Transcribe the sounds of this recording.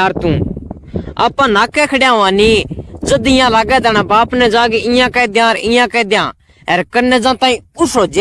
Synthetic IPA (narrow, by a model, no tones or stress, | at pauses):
aːɾt̪ũː | a̰ːpːãnaːkːɛkʰɐɽjãːʋãːnid͡ʒɐd̪ɪjãlaːɡɛd̪ɛːɽ̃abaːpnɛd͡ʒãːɡiɪjãkɛd̪jãːɾɪ̃jãkɛːd̪jã̰ | ɛːɾkɐɾnɛd͡ʒãːt̪ãːĩʊsoːd͡ʒ